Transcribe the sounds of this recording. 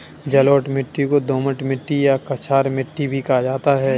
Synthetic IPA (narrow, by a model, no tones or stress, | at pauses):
d͡ʒɐloːʈmɪʈːikod̪oːməʈmɪʈːijakɐt͡ʃʰaːɾmɪʈːibʱikad͡ʒaːt̪aɦɛː